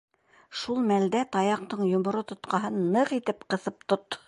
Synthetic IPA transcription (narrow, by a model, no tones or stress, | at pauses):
ʃulˠmæld̪æt̪ɑjɑq̚t̪ɤɴjŏmŏɾot̪ŏt̪qɑɦɤnːɤqit̪ɘpqɤ̆θɤp̚t̪ot̪ː